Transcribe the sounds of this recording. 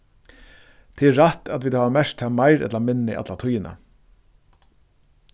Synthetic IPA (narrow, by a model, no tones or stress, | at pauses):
t̪ʰɛːɛːat̪at̪ʋiːd̪haːʋamɛʂt̪ʰaːmaɪɾɛ̰t̪lamɪnːɪ̰ʔa̰t̪lat̪ʰʊjɪna̰